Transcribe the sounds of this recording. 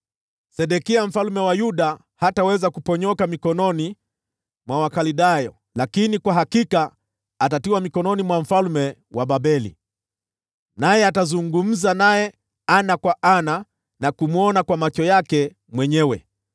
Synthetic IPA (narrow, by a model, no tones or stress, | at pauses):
sɛɗɛkiam̩falmɛwajuɗa | hatawɛzakupɔɲɔkamikɔnɔni | mwawakaliɗajɔ | lakinikwaɦakikaː | tatiwamikɔnɔnimwam̩falmɛ | wʔaɓabɛlḭ | najɛatazuŋɡum̩zanajɛ | anakwaʔana | nakumuɔnakwamat͡ʃɔjakɛ | mwɛɲɛwɛ